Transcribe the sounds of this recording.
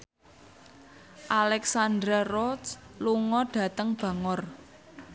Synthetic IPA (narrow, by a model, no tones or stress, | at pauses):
ʔalɛksand̪ɾarɔsluŋɔɖ̥ä̤t̪əŋb̥a̤ŋɔr